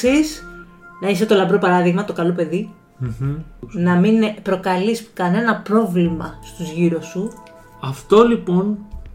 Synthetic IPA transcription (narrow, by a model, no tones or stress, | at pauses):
is | nɐis̬e̞t̪o̞lɐmbɾopɐɾɐðiɣmɐt̪o̞kɐlope̞ði | nɐminpɾo̞kɐliskɐne̞nɐpɾo̞vlimɐ̰st̪uzʝiɾosu | ɐft̪o̞lipo̞n